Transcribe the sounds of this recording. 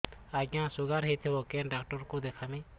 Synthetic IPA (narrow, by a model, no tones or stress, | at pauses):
aɡjãsuɡaɾɦit̪ʰɛbɔkɛnɖakʈɔɾkɔd̪ɛkʰamɛ̃